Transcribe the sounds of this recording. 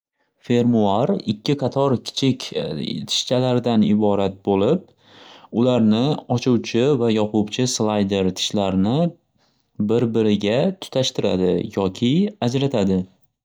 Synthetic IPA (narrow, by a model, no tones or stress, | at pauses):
fe̞ɾmuaɾɪkʲʰːɪqʰɑt̪ʰɒɾkʲʰɪ̥t͡ʃʰɪkʲt̪ʰɪ̥ʃt͡ʃʰalaɾɪd̪anɪbɒɾat̪̚bolɪp̚ | ʊlaɾnɪɒt͡ʃʰuwt͡ʃʰɪvajɒqʊbt͡ʃʰɪslˠajd̪e̞ɾt̪ʰɪ̥ʃlaɾnɪ | bɪɾbɪɾɪɡʲat̪ʰʊ̥t̪ʰaʃt̪ɪɾa̰d̪ɪ̰jɒkʲʰɪad͡ʒɾat̪ʰad̪ɪ